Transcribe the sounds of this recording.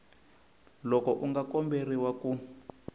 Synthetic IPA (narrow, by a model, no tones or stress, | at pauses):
lɔkɔʔuŋɡakɔmberiwaku